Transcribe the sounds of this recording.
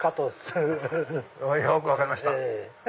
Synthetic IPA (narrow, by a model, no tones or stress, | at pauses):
kat̪osɨ | ojokɯβakaɾimaɕi̥t̪a